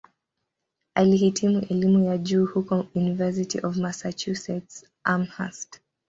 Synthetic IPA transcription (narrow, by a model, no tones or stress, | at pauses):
alihitʰimuʔɛlimujad͡ʒuːhukɔjunivɛs̬itḭʔɔvmasat͡ʃusɛts | ʔamha̰st